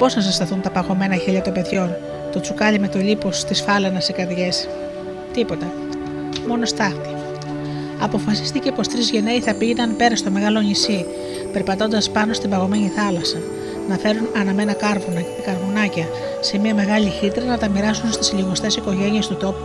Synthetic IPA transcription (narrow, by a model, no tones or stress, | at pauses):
po̞snɐsist̪ɐθunt̪ɐpɐɣo̞me̞nɐçiʎɐt̪o̞mbe̞ðʝo̞n | t̪o̞t͡sukɐʎime̞t̪o̞lipost̪isfɐlenɐsikɐðʝe̞s | t̪ipo̞t̪ɐ | mo̞no̞st̪ɐft̪i̥ | ɐpo̞fɐsi̥st̪ice̞po̞st̪ɾizʝe̞ne̞iθɐpiʝenɐnpe̞ɾɐst̪o̞me̞ɣɐlo̞ɲisi | pe̞ɾpɐt̪o̞nd̪ɐspɐno̞st̪imbɐɣo̞me̞ɲiθɐlɐsɐ | nɐfe̞ɾunɐnɐme̞nɐkɐɾvunɐ | kɐɾvunɐcɐ | se̞miɐme̞ɣɐʎiçit̪ɾɐnɐt̪ɐmiɾɐsunst̪i̥siʎiɣost̪e̞siko̞ʝe̞nie̞st̪ut̪o̞pu̥